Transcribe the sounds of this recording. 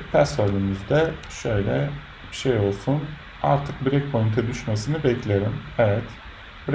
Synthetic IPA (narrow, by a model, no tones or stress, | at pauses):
pʰæsolʲymyzd̪ɛ | ʃøjlʲɛ | b̥iʃejo̞lˠsun | a̰ɾt̪ʰɯk̚biɾɛk̚pʰojint̪ʰɛd̪yʃmesinibɛclʲeɾimɛvɛt̪ | bɾ